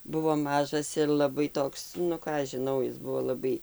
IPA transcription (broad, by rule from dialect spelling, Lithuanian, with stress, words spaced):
ˈbʊʋoː ˈmɑːʒɐs ɪr lˠɐˈbɐɪ ˈtoːks nʊ ˈkɑː ɐʃ ʒʲɪˈnɐʊ ˈɪs ˈbʊʋoː lˠɐˈbɐɪ